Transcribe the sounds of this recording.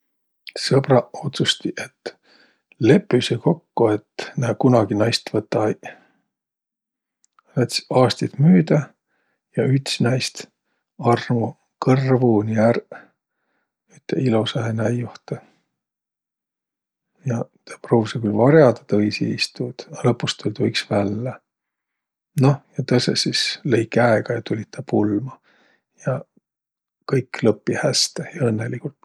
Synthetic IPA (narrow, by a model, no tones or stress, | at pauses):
sɤb̥rɑo̞t̪sust̪iʔe̞t̪ː | le̞pːˑyseko̞kːuet̪næːkunɑɡinɑjst̪vɤt̪ːɑj | næt̪sɑːst̪it̪myːd̪̥æ | jɑyt̪snɑjst̪ | ɑrmu | kɤrvuniær | yt̪ːeilusɑhenæjuht̪e | jɑt̪ɑ̥proːvsɑkylvɑɾjɑd̪ɑ̥t̪ɤisḭist̪ud̪̥ɑlɤpːust̪ːulʲt̪ujksvælːæ | no̞hjɑt̪ɤsesisle̞jkæeɡ̥ɑjɑt̪ulʲit̪t̪ɑpulmɑ | jɑ | kɤjklɤpːihæst̪ejɑɤnːelikult̪